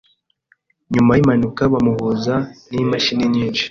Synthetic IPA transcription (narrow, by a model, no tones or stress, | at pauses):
ɲumajimanukaβamuβuzanimaʃiniɲiːnʃi̥